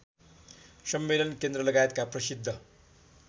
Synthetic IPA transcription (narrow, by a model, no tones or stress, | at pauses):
sʌmːelʌnkend̪rʌlʌɡajet̪̚kaprʌsid̪ʱːʌ